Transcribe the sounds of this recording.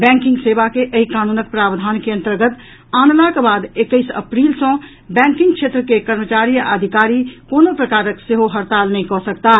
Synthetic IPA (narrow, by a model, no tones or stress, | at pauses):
bɛ̃ŋkɪ̃ŋɡsebakeʔəɦikaːnuːnək̚pɾaːbd̪ʱaːnkeə̃nt̪əɾɡət̪ | aːnlakebaːd̪ekːəɪsə̰pɾiːlsɔ̃ | bɛ̃ːŋkɪ̃ŋɡkʃʰet̪ɾəkekəɾmət͡ʃaːɾijʔəd̪ʱikaːɾikoːnopɾəkaːɾəkseɦoɦəɾt̪aːlnəɦĩkɔsəkt̪a